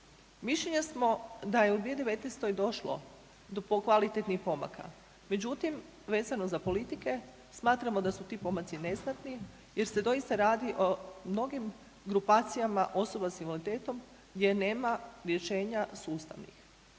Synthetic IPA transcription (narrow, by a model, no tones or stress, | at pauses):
miʃʎeɲasmo̞d̪ajeud̪ɾied̪eʋe̞t̪nest̪ojd̪o̞ʃlo̞̰ | d̪opokʋalit̪et̪nixpo̞ma̰ka̰ | me̞d͡ʑut̪im | ʋe̞ːzano̞zapo̞lit̪ike̞ | smaːt̪ɾamo̞d̪asut̪iːpo̞mat̪sine̞snat̪ni | je̞ɾse̞d̪o̞ist̪aɾaːd̪iʔomno̞ɡim | ɡɾupaːt̪sijamaʔo̞so̞basinʋolit̪e̞ːt̪o̞m | ɡd̪je̞ne̞ːmaɾje̞ʃe̞ːɲasuːst̪a̰ʋnḭx